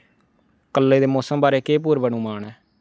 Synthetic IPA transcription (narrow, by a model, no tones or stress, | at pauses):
kəlːeːd̪eːmoːsəmbaːɾeːkeːp̬uːɾbənũːmaːɳɛː